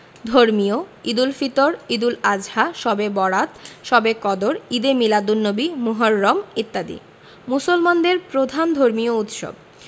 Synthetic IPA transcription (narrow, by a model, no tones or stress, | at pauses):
d̪ʱoɾmijoid̪ulfit̪oɾid̪ulad͡ʑhaʃɔbebɔɽat̪ʃɔbekɔd̪oɾid̪emilad̪unːobimuɦaɾːɔmit̪ːad̪ḭ | musolmand̪eɾpɾod̪ʱand̪ʱoɾmiout̪ʃo̰b̚